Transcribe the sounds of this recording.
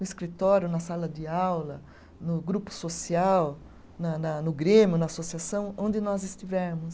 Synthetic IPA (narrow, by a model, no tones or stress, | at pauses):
nʊɪskɾit̪ɔɾjʊnɐsalɐd͡ʒɪawlɐ | nʊɡɾupʊ̥sosiaw | nɐnɐnʊɡɾẽmjʊnɐasosiasɐ̃w̃õnd͡ʒɪnɔzɪst͡ʃ̪ivɛɾmʊs